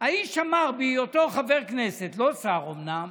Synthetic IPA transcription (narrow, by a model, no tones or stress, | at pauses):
aiʃʃamaʁbiotoχaveʁkneset̪lo̞saʁomnam